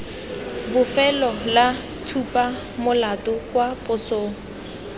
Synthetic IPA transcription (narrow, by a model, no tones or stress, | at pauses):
bʊfɛlɔla | tʰupʼa | mʊlatʊkwapʼʊsoːŋʊ